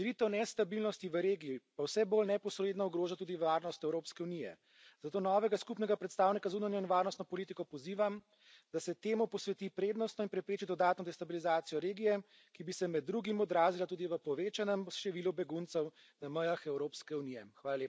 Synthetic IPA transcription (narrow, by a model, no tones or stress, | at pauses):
ɾit̪ɛwnɛst̪abilnɔst̪iʋəɾeːɡijipawsɛbolnɛpɔsɾeːd̪nɔuɡɾoːʒat̪uːd̪iʋaːɾnɔst̪ɛwɾoːpskɛunijɛ̰ | z̥at̪oːnɔːʋɛɡaskupnɛɡapɾɛt̪st̪aːwnikazauːnanjɔinʋaːɾnɔst̪nɔpɔlit̪ikɔpɔziːʋam | d̪asɛt̪eːmupɔsʋɛt̪ipɾeːd̪nɔst̪nɔinpɾɛpɾeːt͡ʃid̪ɔd̪aːt̪nɔd̪ɛst̪abilizaːt̪sijɔɾeːɡijɛ | kibisɛmɛd̪ːɾuɡimɔd̪ɾaːzilat̪uːd̪iʋəpɔʋeːt͡ʃanɛmʃt̪ɛʋiːlubɛɡunt̪sɛw | naməjaxɛwɾoːpskɛunijɛxʋaːlaleːpa